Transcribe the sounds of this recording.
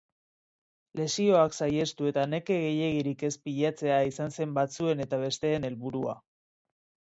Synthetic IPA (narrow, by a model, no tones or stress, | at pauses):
le̞sio̞aksaje̞st̪ue̞t̪ane̞ke̞ɣe̞je̞ɣiɾike̞spiʎat͡se̞aisanse̞mbat͡sue̞ne̞t̪aβ̞e̞st̪e̞ːne̞lβuɾua̰